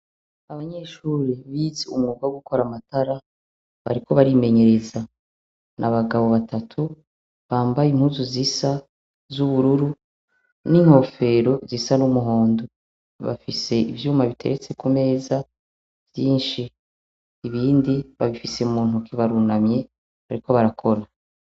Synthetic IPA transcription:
aβaɲe̞ːʃuːɾiβiːzeumŋuːɡaɡuko̞ɾamataɾa | βa̰ɾikʰo̞βaɾime̞ɲe̞ɾe̞za | nʔaβaɡaβo̞βatʰatʰu | βaːmbajim̥huzuzisa | zuβuɾuɾu | niŋho̞fe̞ɾo̞zisanumuɦo̞ːndo | βa̰fise̞ivjuːmaβitʰe̞ɾe̞t͡se̞kume̞ːza | v̥jiːnʃiː | βiːndiβaβifiseumuːn̥ukʰiβaɾunamɲe̞ | βaɾiko̞βaɾakʰo̞ɾa

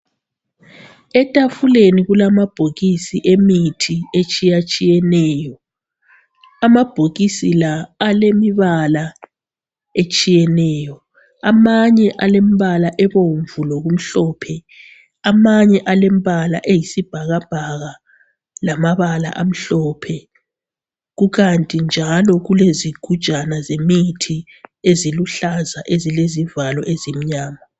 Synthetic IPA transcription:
ɛtʼafuleniɣulamab̥ʱoɣisiʔemitʰiet͡ʃʼijat͡ʃʼijɛnɛːjɔ | amab̥ʱoɣisilaːlemiβala | et͡ʃʼijɛnɛːjɔ | amaɲɛʔalemiβalaʔɛβoɱvulɔɣum̩ɬɔːpʰɛ | amaɲɛʔalemiβalaʔejisib̥ʱaɣab̥ʱaɣa | lamaβala̰ʔam̩ɬɔpʰɛ | ɣuɣantʼind͡ʒʱalɔɣuleziɡ̥ʱu̥ʒ̥ʼʱanazemitʰi | eziluɬazaʔezilezivalɔʔezim̩ɲaːma

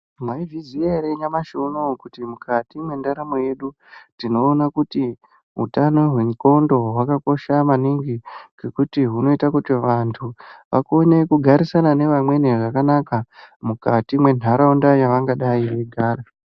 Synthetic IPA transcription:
mwaivizieɾeɲamaʃonokutimukʰatimwe̞ndaɾamo̞je̞ɗu | tino̞ːnakuti | ɦṵtano̞ɦwe̞ŋko̞ndo̞ɦwakako̞ʃamaniŋɡiɡekutiɦuno̞itakutiʋantʰuʋʔa̰konekuɡʱaɾisanane̞ʋamwe̞neʐakanakamukatimwe̞n̤ʱaɾaundajaʋaŋɡaɗaiʋeɡʱaːra

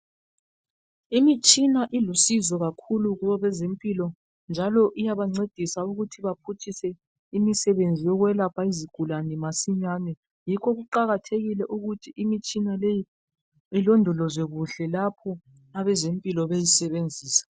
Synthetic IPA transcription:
imit͡ʃʼinaʔilusizɔɣakʰuluɣuβɔβɛzempʼilɔ | nd͡ʒʱalɔʔijaβaŋ͡ǀed̥ʱisauɣutʰiβapʰutʰisɛ | imisɛβend͡zʱijɔɣwɛlapʰaiziɡ̥ʱulanimasiɲaːnɛ | jikʰɔɣuǃaɣatʰeɣilɛʔuɣutʰiimit͡ʃʼinaleji | ilɔndʱɔlɔzwɛɣuɬɛlapʰɔ | aβɛzempʼilɔβejisɛβend͡zʱiːsḁ

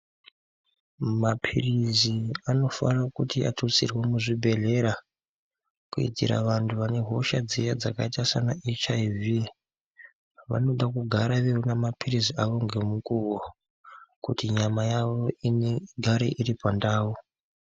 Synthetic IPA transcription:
mapʰiriziano̞farakutiatʰot͡sirwemuʐibʱe̞ɮe̞ɾa | kuḭtḭɾa̰ʋantʰuʋane̞ɦo̞ʃad͡zijad͡zakaitasanaʔet͡ʃaivi | ʋa̰no̞ɗakuɡʱaɾaʋeunamapʰiriziaʋo̞ŋɡe̞mukuːwo | kutiɲamajaʋo̞ineɡʱaɾḛʔiɾipandaːu

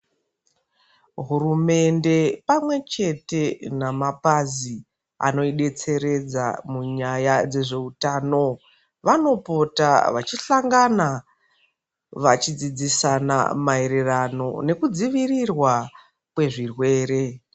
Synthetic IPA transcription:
ɦurume̞nde̞pamwe̞t͡ʃe̞te̞namapazi | a̰no̞iɗe̞t͡se̞ɾe̞d͡za̰muɲajad͡ze̞ʐe̞utaːno̞ | ʋano̞po̞ta̰ʋat͡ʃiɬaŋɡana | ʋat͡ʃid͡zid͡zisana̰mae̞ɾerano̞̰ne̞kud͡ziʋirirwa | kwe̞ʐirwe̞ːɾe̞

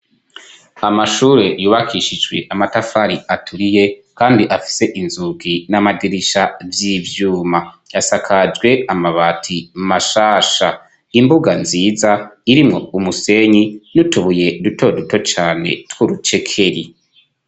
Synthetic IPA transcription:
amaʃuːɾe̞juːβakiʃid͡ʒɡwe̞̰ʔamatafaɾiatʰuɾije̞kaːndiʔafi̥se̞ʔinzuɡinamadiɾiʃavjiːvjuːma | jasakʰad͡ʒɡwe̞amaβatʰimaʃaːʃa | imbuɡanziːzaiɾimŋo̞umuse̞ɲinutuβuje̞duto̞duto̞t͡ʃaːne̞̰twuɾut͡ʃe̞kʰe̞ɾi

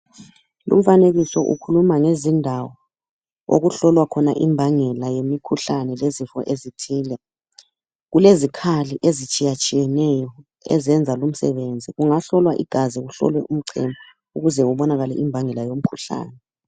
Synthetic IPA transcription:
lṵm̩faneɣisɔʔṵkʰulumaŋezindʱawɔ | o̰ɣuɬɔlwakʰɔnaʔimbʱaŋɛlajemikʰuɬanɛlezifɔ̰ʔezitʰiːlɛ | ɣulezikʰaliʔezit͡ʃʼijat͡ʃʼijɛnɛjɔ | ɛ̰zɛnd͡zʱalum̩sɛβend͡zʱiɣuŋaɬɔlwaʔiɡ̥ʱaziɣuɬɔ̰lwɛʔum̩ǀʰɛ̰ma | uɣuzɛuβɔnaɣalɛ̰ʔimbʱaŋɛlajom̩kʰuɬa̰ːnɛ

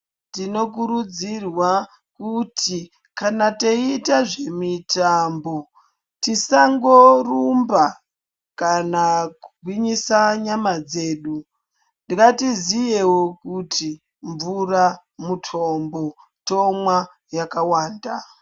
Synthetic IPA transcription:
tino̞k̬uɾud͡zirwa | kutʰi | kanateitaʐe̞mitambo̞ | tisaŋɡo̞rumba | kanakuɡ̚ʱwiɲisaɲamad͡ze̞ːɗu | ndikatizijewokuti | ɱvura | mutʰombo̞ | to̞mwa | jakawaːnda

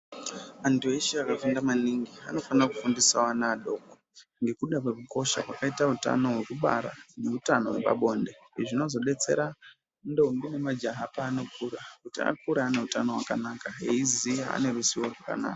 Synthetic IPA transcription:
andueʃaakafundamaniŋɡia̰no̞fanrakufundisawanaːɗo̞ːko | ŋɡe̞kuɗakwe̞kuko̞ʃa̰kwakaitauta̰no̞wekuɓa̰ɾa̰ne̞utano̞̰wepa̰ɓo̞ːnde̞iʐino̞zo̞ɗe̞t͡se̞̰ɾa | ndoundine̞mad͡ʒaɦapaːno̞kuːɾakutia̰kuɾaːne̞utanowakanakaɦeizijaa̰ne̞rusiworwaka̰na̰ːka

